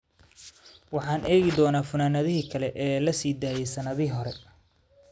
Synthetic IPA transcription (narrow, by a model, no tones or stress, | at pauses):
wɑħɑːnʔɛːɣɪd̪ɔːnaːfʊnaːnɐðɪɦiːkʰɐlɛʔɛːlɐsiːd̪aːjɛsɐnɐðɪɦɔɾɛ